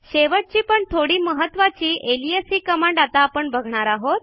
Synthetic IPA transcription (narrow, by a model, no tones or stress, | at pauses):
ɕeʋəʈ̚t͡ɕiːpəɳt̪ʰoɽiːməɦət̪ʋat͡ɕiːʔelijesiːkəmãɳɖat̪aːpəɳbəɡʱɳ̃aɾaɦot̪̚